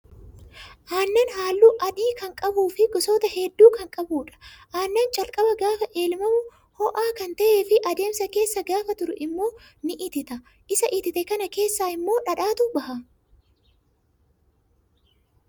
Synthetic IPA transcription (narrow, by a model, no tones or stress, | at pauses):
ʔaːnːɐnɦaːlːuːʔɐᶑiːkɐŋkʼɐbuːfɪɡɔsoːt̪ɐhɛd̪ːuːkɐŋkʼɐbuːᶑɐ̥ʔaːnːɐnt͡ʃʼɐlkʼɐbɐɡaːfɐʔe̞ːlmɐmʊ | hɔʔaːkɐnt̪ɐʔe̞ːfɪʔɐd̪e̞ːmsɐke̞ːsːɐɡaːfɐt̪ʊɾʊ̰ʔɪmːo̞ː | nɪʔɪt̪ɪt̪ɐ | ʔɪsɐʔɪt̪ɪt̪ɛkɐnɐke̞ːsːaːɪmːo̞ːᶑɐᶑaːt̪ʊbɐhɐ